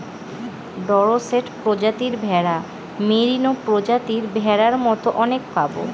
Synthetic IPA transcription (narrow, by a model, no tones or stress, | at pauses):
ɖɔɾoseʈpɾod͡ʑat̪iɾbʱɛɽa | meɾinopɾod͡ʑat̪iɾbʱɛɾaɾmɔt̪oʔɔnek̚pabo̰